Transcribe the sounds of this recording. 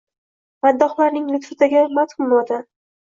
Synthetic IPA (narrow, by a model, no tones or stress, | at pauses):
mad̪ːɒχlˠaɾnɪŋlɪt̪fɪt̪ʰaɡʲamat̪χʊmolad̪a